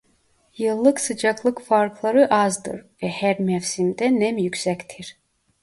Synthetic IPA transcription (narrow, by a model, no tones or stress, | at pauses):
jɯlˠːɯksɯd͡ʒaklˠɯkfaɾklˠaɾɯʔazd̪ɯ̰ɾvɛhæɾmɛfsimd̪ɛnɛmjycʲsɛct̪ʰiɾ̥